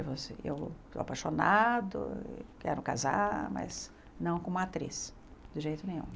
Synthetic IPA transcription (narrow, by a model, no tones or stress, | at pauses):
ɪvoseḛwsoapajʃonad̪ʊ̰kɛ̰ɾʊka̰zamɐ̰z | nɐ̃w̃kõũat̪ɾḛs | d̪̥ʊʒejt̪ʊnẽj̃ṵ̃